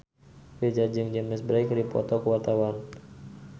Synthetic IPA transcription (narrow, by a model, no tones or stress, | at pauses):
fed͡ʒad͡ʒəŋd͡ʒɛmɛsbɾajkɾipɔ̰t̪ɔkəwart̪awan